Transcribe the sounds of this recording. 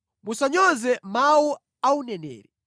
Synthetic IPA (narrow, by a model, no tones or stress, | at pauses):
musaɲɔzɛmawu | aunɛnɛ̰ːɾɛ